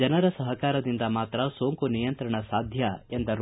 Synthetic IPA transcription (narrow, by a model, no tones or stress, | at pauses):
ɐnɐɾɐsɐɦɐkaːɾɐd̪ind̪ɐmaːt̪ɾɐsoːŋkunijɐnt̪ɾɐɳɐsaːd̪ʱjɐend̪ɐɾ